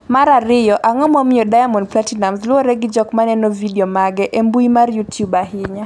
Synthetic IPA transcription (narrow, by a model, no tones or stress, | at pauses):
maɾaɾɪjɔʔaŋɔmɔmɪjɔdajamɔndplatinamslwɔɾɛɡɪd͡ʒɔkmanɛnɔvidɛɔmaɡɛʔembuimarjutjubaɦɪɲa